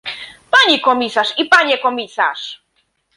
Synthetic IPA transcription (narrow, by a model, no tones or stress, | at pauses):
paɲikɔmʲisaʂipaɲɛkɔmʲisa̰ʂ